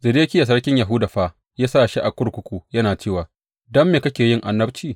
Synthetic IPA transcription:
zɪ˨deː˦kʲɪ˦ja˨s̬ɐ˦ɽkʲɪ˦ɲjɐ˨ɦʊ˦da˨ɸaː˦ | jaː˦saː˦ʃi˦ʔa˨kʷʊ˦ɽkʷʊ˦kʷuː˦˨jɐ˦naː˨t͡ʃeː˦˨waː˨ | dɐ˦mːeː˨kɐ˦kʲeː˨jɪ˦ŋʔa˨nːɐ˦b̚t͡ʃiː˦˨

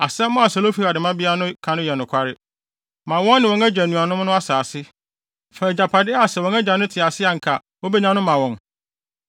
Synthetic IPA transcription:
a˨sɛ̃˦m˦mʊ̃˦a˨sɛ˨lo˦fi˦ɾa˨dɪ˨mã˦bɪ˦a˦nʊ̃˦kʰã˨nʊ̃˦jɛ˨nʊ̃˨kʰʷa˦ɾɪ˦ | mã˨wɔ̃˦nː˦ɪ̃˨wɔ̃˨ŋæ˦d͡ʑᶣa˨nũ˨a˨nʊ̃˦m˦nʊ̃˦a˦saː˨sɪ˦ | fa˨d͡ʑa˨pʰa˨dɪ˦a˨sɛ˨wɔ̃˨ŋæ˦d͡ʑa˨nʊ̃˦tʰɪ˨a˨sɪ˦a˨ŋ̩˨kʰa˨ | wo˦be˦ɲã˦nʊ̃˦mã˨wɔ̃˨n

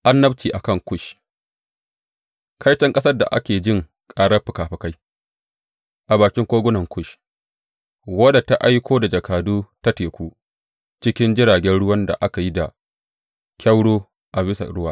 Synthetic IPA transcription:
ʔa˦nːɐ˦bt͡ʃiː˨ʔa˨kɐ˦˨ŋkʷʊ˦ʃ | kʰa˦jt͡ʃɛ˦ŋkʼɐ˦sɐ˦rda̰˨ʔa̰˦kʲeː˨d͡ʒɪ˦˨ŋ | kʼaː˦ɽɐ˦rɸɪ˨kaː˨ɸɛ˨ka˦j | ʔa˨baː˨kʲɪ˦ŋkʷoː˦ɡʷʊ˦nɐ˨ŋkʷʊ˦˨ʃ | wɐ˦da˨ta˦ʔa˦jkʷoː˦da˨d͡ʒɐ˨kaː˨duː˦ta˦teː˨kʷuː˦ | t͡ʃɪ˦kʲɪ˦nd͡ʒɪ˦ɽaː˨ɡʲɛ˦nɽʊ˦wɐ˦nda̰˨ʔa˦ka˨ji˦da̰˨ | kʲɐ˦wɽoː˦ | ʔa˨bɪ˦sa̰˨ɽʊ˦waː˦

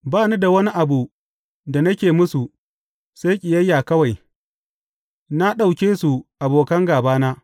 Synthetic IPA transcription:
baː˦˨nu˦da˨wɐ˦ni˦ʔa˨bu˨ | da˨nɐ˦kʲeː˨mʊ˦su˨ | sa˦jkʲʼɪ˨jɐ˦jːaː˨kɐ˦wa˨j | na˦ɗa˨wkʲeː˦su˨ʔa˨boː˨kɐ˦ŋɡaː˨baː˦naː˦

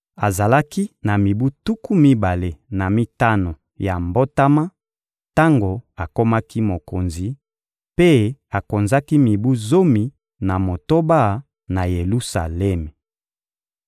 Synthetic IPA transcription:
a˨za˨la˦ki˦na˨mi˨bu˦tu˦ku˦mi˦ba˨le˨na˨mi˦ta˦no˨ | ja˨mbo˦ta˦ma˦ | ta˦ŋɡo˨a˨ko˦ma˦ki˦mo˨ko˨nzi˨ | pe˦a˨ko˨nza˦ki˦mi˨bu˦zo˦mi˨ | na˨mo˨to˦ba˦ | na˨je˨lu˦sa̰˨lɛ˦me˨

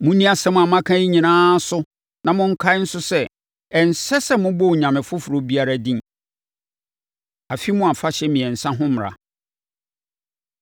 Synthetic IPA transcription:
mʊ̃˦nĩ˦a˨sɛ˦mʊ̃˦˨a˨mã˦kʰã˦ji˦ɲĩ˨nãː˦sʊ˦ | nã˨mʊ̃˦ŋ̩˦kʰa˦ɪ˦n̩˦sʊ˦sɛ˦ | ɛ˨n˨sɛ˦sɛ˦mʊ̃˦bɔ˦wɲã˨mɪ̃˨fʊ˦fʊ˨ɾo˨˦bi˦a˦ɾa˦dĩ˦n | a˨fi˦mʊ̃˦a˨fa˦ɕɛ˦mĩ˨ɛ˨n̩˨sã˦ɦʊ̃˦m˨ɾa̰˨

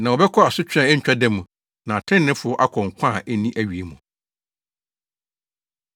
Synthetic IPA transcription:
nã˨wɔ˨bɛ˦kʰɔ˦a˨sʊ˦t͡ɕʰᶣã˨ɛ˦ɲ̩˦t͡ɕᶣa˦dɛ̃˦mũ˨ | nã˨a˨tʰɪ̃˦nːɪ̃˦fʊ˨˦ɔ˦ʔa˦kʰɔ˨ŋ̩˨kʷʰã˦˨ʔæ˦nĩ˦ʔæ˨ɥi˨e˨˦mũ˨

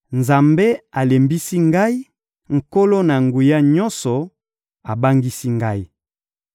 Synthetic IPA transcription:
nza˨mbe˦a˨le˨mbi˦si˦ŋɡa˦i˦ | ŋ̩˨ko˦lo˦na˨ŋɡu˨ja˦ɲɔ˦nsɔ˨ | a˨ba˦ŋɡi˦si˦ŋɡa˦i˦

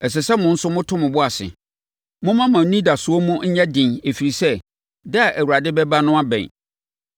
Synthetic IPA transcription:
ɛ˨s̬ɪ˨sɛ˦mʊ̃˨n̩˦sʊ˦mʊ̃˦tʰʊ̃˦mʊ̃˨bʊ˦a˨sɪ̰˨ | mʊ̃˦mã˦mã˨˦nĩ˦da˨sʊ˨o˦mũ˦ɲ̩˦ɲɛ̃˦dɪ̃˨ne˨fi˨ɾi˨sɛ˦ | dɛ˦a˨ʔæ˨wu˨ɾa˨dɪ˦bɛ˦ba˦nʊ̃˦a˦bɛ̰̃˨

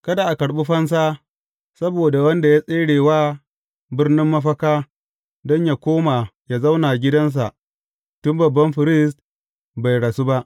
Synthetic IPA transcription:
kɐ˦da˨ʔa˨kɐ˨ɽɓi˦ɸɐ˦ns̬aː˦ | sɐ˦boː˨da˨wɐ˦nda˨ja˦sʼeː˦ɽeː˨waː˦ | bɪ˦rnɪ˦mːɐ˦ɸ̬ɐ˦kaː˦ | dɔ˦ɲja˨kʷoː˦ma˨ja˦za˦wnaː˨ɡʲɪ˦dɐ˦ns̬a˨ʔ | tʊ˦mbɐ˨bːɐ˦mɸɪ˨ɾɪ˦st | ba˨jɽa˨su˦ba˦ʔ

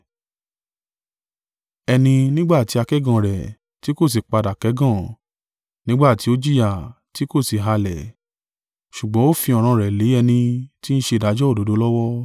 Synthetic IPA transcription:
ɛ˧nĩ˧nĩ˦ɡ͡ba˦˨ti˨˦a˧kɛ˦ɡã˦˨ɾɛ˨ | ti˨˦ko˦˨s̬i˨k͡pa˧da˨kɛ˨˦ɡã˦˨ | nĩ˦ɡ͡ba˦˨ti˨˦o˦d͡ʒi˦ja˨ | ti˦ko˦˨si˨ɦa˧lɛ˨ | ʃu˨ɡ͡bɔ̃˨˦o˦fĩ˧ɔ˨ɾ̃ã˧ɾɛ˨le˨˦ɛ˧nĩ˧ti˦n̩˦ʃe˧˨da˨˦d͡ʒɔ˦o˦˨do˨˦do˦lɔ˦wɔ˦

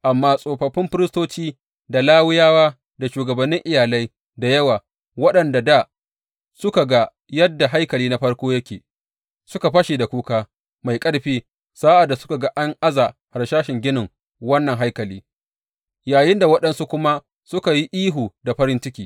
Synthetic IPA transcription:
ʔa˨mːaː˦sʼoː˨ɸɐ˨ɸːɪ˦mɸɪ˦ɾɪ˦stoː˦t͡ʃiː˦ | da˨laː˦wɪ˦jaː˦waː˦ | da˨ʃuː˨ɡɐ˨bɐ˨nːɪ˦ŋʔɪ˦˨jaː˨la˦j | da˨jɐ˦waː˨ | wɐ˦ɗɐ˨nda˨da˦˨ | sʊ˦ka˨ɡa˦ | jɐ˦dːa˨ɦa˦jkɐ˨liː˦na˦ɸɐ˦ɽkʷoː˦jɐ˦kʲeː˨ | sʊ˦ka˨ɸɐ˦ʃi˨da˨kʷuː˦kaː˦ | ma˨jkʼɐ˦ɽɸiː˦ | saː˦ʔa˨dːa˨sʊ̥˦ka˨ɡa˦ʔa˦ŋʔa˦za˨ha˨ɽʃaː˦ʃɪ˨ŋɡʲɪ˦nɪ˨ŋ | wɐ˦nːɐ˨ŋɦa˦jkɐ˨liː˦ | jaː˨jɪ˦nda˨wɐ˦ɗɐ˨nsu˦kʷʊ˦ma˦ | sʊ˦ka˨ji˦ʔiː˦ɦuː˨da˨ɸɐ˦ɾɪ˦nt͡ʃɪ˦kʲiː˦

